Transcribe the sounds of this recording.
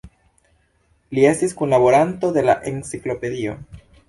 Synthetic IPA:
lie̞stiskunlaβo̞ɾant̪o̞ðe̞la̰ʔe̞nsiklo̞pe̞ðio̞̰

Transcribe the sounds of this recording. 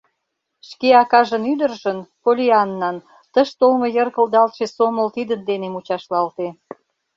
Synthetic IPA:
ʃkeɑkɑʒənyd̪ə̆rʒənpolʲiɑnːɑn | t̪əʃt̪olmojərkə̆ld̪ɑlt̪ʃesomə̆lt̪id̪ənd̪enemut͡ɕɑʃlɑlt̪e

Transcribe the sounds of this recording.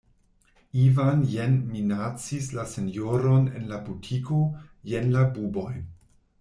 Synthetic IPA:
ivanjenminat͡sislase̞njoɾo̞ne̞̰nlabutʰiko̞jenlabubo̞j

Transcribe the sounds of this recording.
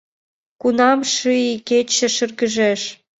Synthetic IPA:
kunɑmʃɨiket͡ɕə̆ʃyrɣəʒeʃ

